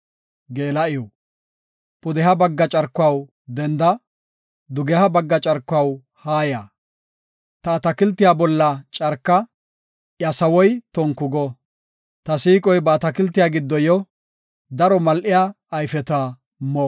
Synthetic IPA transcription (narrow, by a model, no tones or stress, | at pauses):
ɡeːlɐʔɪjɔ | pʊd̪ɛhɐbɐɡːɐt͡ʃʼɐɾkːʊɐw | d̪ɛnd̪ɐ | d̪ʊɡɛhɐbɐɡːɐt͡ʃʼɐɾkːʊɐw | haːja | t̪ɐːt̪ɐkɪlt̪ːɪjabɔlːɐt͡ʃʼɐɾkːɐ | ʔjɐsɐwɔjt̪ɔŋkːʊɡɔ | t̪ɐsiːkʼɔjbɐːt̪ɐkɪlt̪ːɪjaːɡɪd̪ːɔjɔ | d̪ɐɾɔmɐlʔɪjaː | jfɛt̪a | mɔ